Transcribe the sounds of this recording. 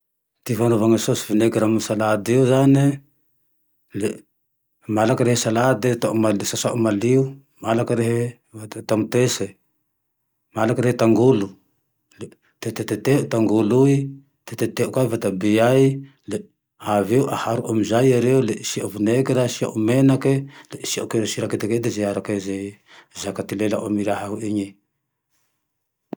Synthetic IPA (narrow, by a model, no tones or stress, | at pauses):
t̪ivanovaŋasosivuneɡiɾamsalad̪iuzani | le | malakaɾeɦesalad̪et̪aʔumalsasaʔumaliu | malakaɾeɦe | aat̪amut̪ese | malakaɾehet̪aŋɡulu | le | t̪et̪et̪et̪eʔut̪aŋɡului | t̪et̪et̪eʔukavat̪abijaj | le | aveuʔa̰haɾuʔamizajaɾeuleʔsiavunekeɾasia̰ʔumenakeleisia̰ʔukeɾesiɾaket̪eked̪ezeaɾakeze | zakat̪ilelaʔomiɾaɦahuiɲe